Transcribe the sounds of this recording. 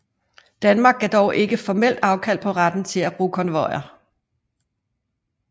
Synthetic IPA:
d̥ænmɑ̈ːɡ̥æd̥ɒʊʔe̝ɡ̥əfɒmel̰d̥ɑ̈ʊkʰæl̰̚pʰɒ̽ʁɑd̥n̩t͡sʰe̝læb̥ʁṵːkʰɒ̽nʋɒɪɐ

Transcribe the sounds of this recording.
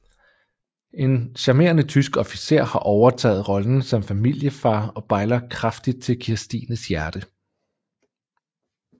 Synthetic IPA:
e̝nɕɑ̈me̝̰ɐnət͡sʰysɡ̥ɒ̽fi̥se̝̰ɐ̰hɑ̈ʔɒʊɐt͡sʰɛ̰ːð̞̩ˠʁɒ̽ln̩sɒ̽mfæmil̰jəfɑ̈ːɒ̽b̥ɑ̈ɪlɐkʰʁafd̥id̥̚t͡sʰe̝lkʰiɐsd̥ḭːnəsjæɐd̥ə

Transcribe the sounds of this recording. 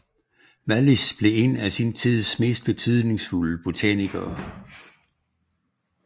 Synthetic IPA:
ʋælisb̥le̝e̝næsint͡sʰið̰ˠsme̝̰ːsd̥̚b̥e̝t͡sʰyð̞ˠne̝ŋsfuləb̥o̝t͡sʰæniɡ̥ɐː

